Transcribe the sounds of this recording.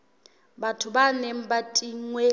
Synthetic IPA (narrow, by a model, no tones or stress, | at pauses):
batʰʊbaneŋ̩batʼiŋwe